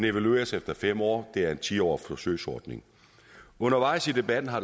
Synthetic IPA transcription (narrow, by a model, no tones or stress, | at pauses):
ne̝ʋælue̝̰ːɐsefd̥ɐfem̰ɒ̰ːd̥e̝æɐe̝nt͡sʰiːɒ̰ːfɒsøɪsɒ̰ːd̥ne̝ŋ | ɔ̽nɐʋɑ̈ɪ̰sid̥e̝b̥æd̥n̩ɦɑ̥̈